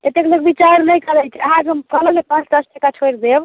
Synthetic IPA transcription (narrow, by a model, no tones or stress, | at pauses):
t̪et̪ːekləkbit͡ʃaɾnəjkəɾɛjt͡ʃʰiəɦãd͡ʒɦəmkələlepãt͡ʃʰd̪əsʰʈəkat͡ʃʰojɾd̪eb